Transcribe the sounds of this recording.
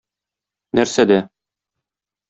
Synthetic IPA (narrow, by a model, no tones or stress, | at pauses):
næɾsæd̪æ